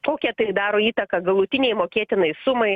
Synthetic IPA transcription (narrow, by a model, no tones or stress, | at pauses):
koːkʲɛt̪ɐɪd̪ɑːɾoːiːt̪ɐkɐɡɐlˠʊt̪ʲɪnʲɛɪmoːkʲiɛt̪ʲɪnɐɪssʊmɐɪ